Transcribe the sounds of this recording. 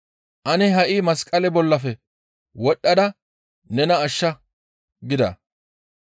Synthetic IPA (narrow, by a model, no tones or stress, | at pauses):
ʔɐnɛɦɐʔiːmɐskʼːɐlɛbɔlːɐfɛ | wɔɗːɐd̪ɐ | nɛnɐːʃːɐ | ɡɪd̪ɐ̰